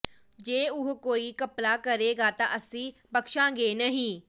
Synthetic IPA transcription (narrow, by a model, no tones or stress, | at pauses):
d͡ʒeːʊɦkoːiːkəplaːkəɾeːɡaːt̪ã̰ːʔəsĩːpəkʃãːɡeːnəɦĩː